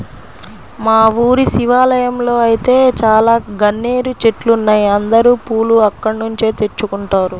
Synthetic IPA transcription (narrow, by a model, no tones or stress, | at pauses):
maːʋuːɾisiʋaːlɐjɐmlo̞ːɐjit̪e̞ːt͡ʃaːlaːɡɐnːeːɾut͡ʃeʈlunːɐjɐnd̪ɐɾuːpuːluɐkːɐɽɐnuɲt͡ʃe̞ːt̪e̞t͡ʃːukuɳʈaːɾu